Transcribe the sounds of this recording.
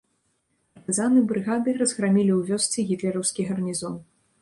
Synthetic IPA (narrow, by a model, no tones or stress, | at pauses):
pɐrt̪ɨzanɨbɾɨɣad̪ɨrɐzɣɾamʲilʲiwvʲɔsʲt͡sʲiɣʲit̪lʲɛɾɐwskʲiɣɐrnʲizɔn